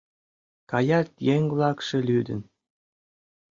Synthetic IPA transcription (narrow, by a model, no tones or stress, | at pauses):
kɑjɑt̪jeŋvlˠɑkʃĕlʲyd̪ə̰̆n